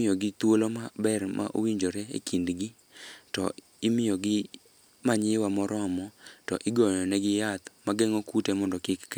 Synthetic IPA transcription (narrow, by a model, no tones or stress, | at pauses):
ɪjoɡɪt̪wolomabɛrmʔa̰ʔo̰wiɲd͡ʒoɾɛḛkʰindɡɪ | tɔ̰ | ɪmɪjɔɡɪ | maɲɪwamɔɾɔamɔtɔʔɪɡɔjɔnɛɡɪjat̪maɡɛŋɔkutɛmɔndɔkɪkk